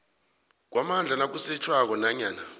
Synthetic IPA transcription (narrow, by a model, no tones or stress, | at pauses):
k̬wʔamand͡ɮʱanak̬usɛt͡ʃʰwak̬ɔnaɲaːna